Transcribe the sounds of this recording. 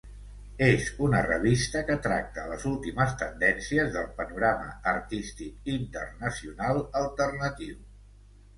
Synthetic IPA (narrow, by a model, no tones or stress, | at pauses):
ezunərəβist̪əkət̪ɾak̚t̪ələzulˠt̪iməst̪ənd̪ɛnsiəzðəlˠpənuɾaməərt̪ist̪ik̚int̪ə̰rnəsiunalˠəlˠt̪ərnət̪iw